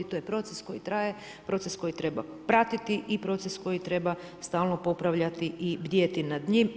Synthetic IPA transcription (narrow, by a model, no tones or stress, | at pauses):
it̪ojepɾo̞t̪sesko̞jit̪ɾaːje | pɾo̞t̪sesko̞jit̪ɾe̞ba̰ | pɾat̪it̪iʔipɾo̞t̪sesko̞jit̪ɾe̞ba | st̪aːlˠnopo̞pɾaʋʎat̪iʔibd̪jet̪inad̪ɲim